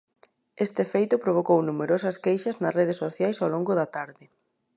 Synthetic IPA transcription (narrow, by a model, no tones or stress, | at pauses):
est̪ɪfejt̪ʊpɾoβ̞okownumeɾosɐskejʃɐznɐsreð̞esoθjajsawloŋɡʊðɐt̪aɾðɪ